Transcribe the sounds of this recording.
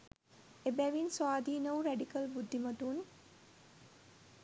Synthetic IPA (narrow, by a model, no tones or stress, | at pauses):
ebɛʋinswaːd̪ʱiːnəwɾɛɖikəlbud̪ʱːimɐt̪un